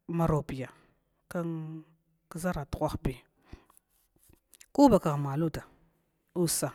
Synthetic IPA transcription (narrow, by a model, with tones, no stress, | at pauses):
ma˨ɾo˨bi˨ja˨ | ka˦ŋ | kə˦za˦ɾa˨tu̥˨kʷa˦xbi˦ | ku˦ba˨ka˨ɣma˨lu˦da˨ | u˦sa˨